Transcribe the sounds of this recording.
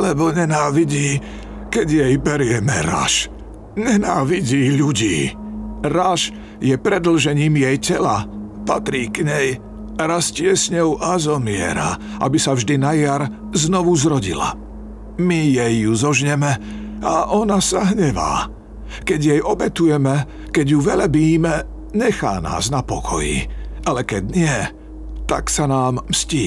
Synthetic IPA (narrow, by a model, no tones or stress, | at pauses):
lɛbɔɲɛnaːʋiɟiː | kɛɟjɛjbɛɾɪɛmɛ̰ɾa̰ʃ | ɲɛnaːʋiɟiːʎuɟiːɾaʃ | jɛpɾɛd̪l̩ʒɛɲiːmjɛjcɛlapat̪ɾiːkɲɛj | ɾascɪɛsɲɔʊʔazɔmɪɛ̰ɾa̰ʔa̰bisavʒd̪inajaɾ | znɔʋuzɾɔɟḭla̰ | mijɛjːuzɔʒɲɛmɛ | aʔɔnasaɦɲɛʋa̰ː | kɛɟjɛjɔbɛt̪ujɛmɛ | kɛɟjuʋɛlabiːmɛ | ɲɛxa̰ːna̰ːznapɔkʰɔ̰jḭalɛkɛɟɲɪɛ | t̪a̰ksanaːmmsciː